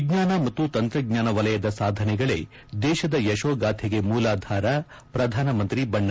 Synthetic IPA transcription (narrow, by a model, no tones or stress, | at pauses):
ɡɲaːnɐmɐt̪ːut̪ɐnt̪ɾɐɡɲaːnɐʋɐlɐjɐd̪ɐsaːd̪ʱɐnɛɡɐɭḛ | d̪ɛːʃɐd̪ɐjɐʃoːɡaːt̪ʰeɡemuːlaːd̪ʱaːɾɐ | pɾɐd̪ʱaːnɐmɐnt̪ɾibɐɳːɐ